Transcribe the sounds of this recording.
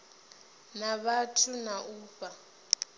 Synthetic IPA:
naβatʰunaʔuːpʼa

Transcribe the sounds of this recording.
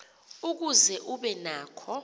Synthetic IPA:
uk̬uzɛʔuɓɛnaːkʰɔ

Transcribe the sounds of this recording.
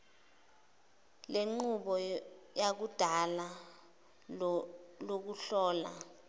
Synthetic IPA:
leŋ͡ǃuɓɔjak̬ud̥ʱala | lok̬uɬɔːla̰

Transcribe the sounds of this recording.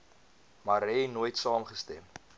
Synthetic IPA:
mɐɾɛnuːjtsɑːmχəstɛm

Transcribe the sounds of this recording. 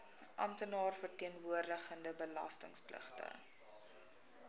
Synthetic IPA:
ʔɐ̰mtənɑːrfərtiənvuərdəχəndəbəlɐ̰stəŋsplə̰χtə̰

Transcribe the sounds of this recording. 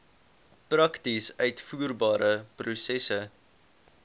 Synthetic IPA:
prɐktisœɥtfuːrbɑːɾəprusɛsə

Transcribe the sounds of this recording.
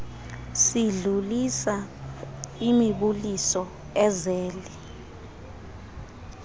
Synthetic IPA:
siɮulisa | imiɓulisɔ | ɛzɛːli

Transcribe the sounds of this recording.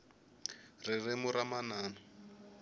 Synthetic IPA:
rɪrɪmʊɾamanaːna

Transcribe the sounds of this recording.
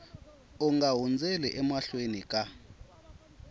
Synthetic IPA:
uŋaɦund͡zʱɛlɛʔɛmaɬwenikʼa

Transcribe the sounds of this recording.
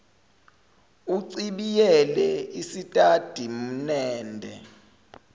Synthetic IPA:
uǀiɓijɛlɛisitʼad̥ʱim̩nɛːndʱɛ

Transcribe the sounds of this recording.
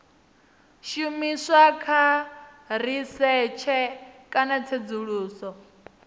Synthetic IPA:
ʃumisakʰa | ɾ̤isɛt͡ʃʰɛkʼanat͡sʰed͡zuɺuːsɔ

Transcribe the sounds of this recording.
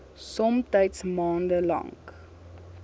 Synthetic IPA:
sɔmtəjtsmɑːndəlɐ̰ŋk

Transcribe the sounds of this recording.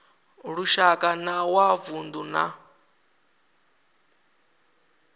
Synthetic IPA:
ɺuʃakʼanawavund̪una̰

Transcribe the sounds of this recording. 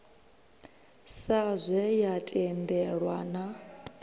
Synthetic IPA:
sazʷɛjatʼɛndɛɺwana

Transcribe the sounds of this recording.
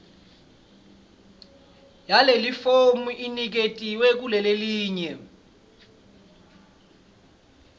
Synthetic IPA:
jalelifomuʔinik̬etʼiwɛk̬ulɛleliːɲɛ

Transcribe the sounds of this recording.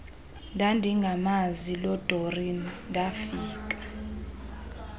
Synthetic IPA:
ndʱandʱiŋɡʱamazilɔd̥ʱɔrindʱafiːk̬ʼḁ

